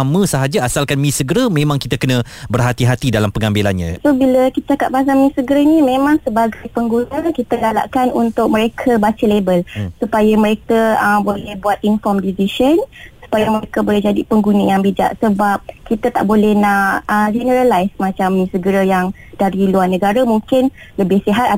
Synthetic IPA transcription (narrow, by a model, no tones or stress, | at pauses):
mə̃səɦad͡ʒaasalkanmĩsəɡəɾəmẽmãŋkit̪akənə̃bərɦat̪iɦat̪idalampəŋambela̰nɲã̰sobiləkit̪at͡ʃakap̚bas̬amĩsəɡəɾənĩmẽmãŋsəbaɡajpəŋɡunəkit̪aɡala̰ʔkanunt̪ʊk̚mə̃ɾekʰəbat͡ʃəlebəlsupajamə̃ɾekəəmbolɛhbuat̪̚infɔmdisiʃənsu̥pajəməɾekəbolɛɦd͡ʒadipəŋɡunəjaŋbid͡ʒa̰ʔsəbap̚kit̪ət̪a̰ʔbolɛhnaəd͡ʒɛnəɾalajsmãt͡ʃamĩsəɡəɾəjaŋ | d̥aɾiluarnə̃ɡaɾamũŋkɪn | ləbɪhsiɦat̪̚a